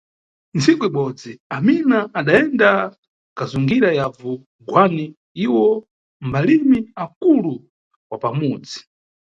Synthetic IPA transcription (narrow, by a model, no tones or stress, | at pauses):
nt͡sʰikuiɓɔd͡ziaminaːɗaɛnda | kazuŋɡiɾajavu | ɡwani | iwɔ | mbalimiakulu | wapamuːd͡zi̥